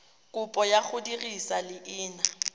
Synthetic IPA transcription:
kʼʊpʼɔjak͡xʰʊdirisalɪʔɪːna

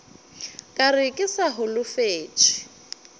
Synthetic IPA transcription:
kʼarɪkʼɪsaɦʊlʊfeːt͡ʃʼɪ̥

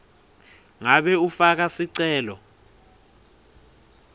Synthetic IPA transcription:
ŋaɓɛufak̬asiǀɛːlɔ

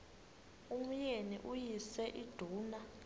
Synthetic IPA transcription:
um̩jenḭʔujisɛʔid̥ʱuːna

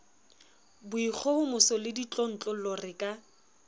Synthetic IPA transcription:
bʊik͡xʰɔhʊmʊsɔlɪdit͡ɬʼɔn̩t͡ɬʼɔlɔrɪkʼa

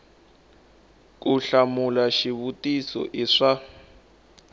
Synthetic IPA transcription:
k̬uɬamulaʃiβutisɔ̰ʔiʂa

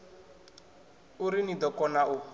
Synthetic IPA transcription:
uɾinid̪ɔkɔnaʔʊ

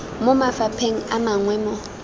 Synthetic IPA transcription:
mʊmafapʰeŋ̩amaŋwɛmɔ

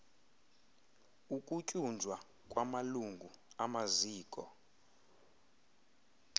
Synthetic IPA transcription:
ukʼucʼund͡ʒʱwa | kʼwamaluŋɡʱuamaziːkʼɔ̰

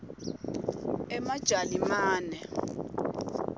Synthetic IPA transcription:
ɛmad̥ʒ̥ʱalimaːnɛ

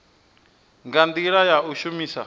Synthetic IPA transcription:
ŋɡand̪iɺajauʃumiːsa̰

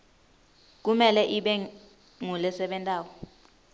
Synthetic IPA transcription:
k̬umɛlɛʔiɓɛ | ŋulɛsɛɓɛntʼaːwɔ

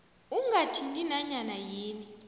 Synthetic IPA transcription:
uŋɡatʰindinaɲanajeːni

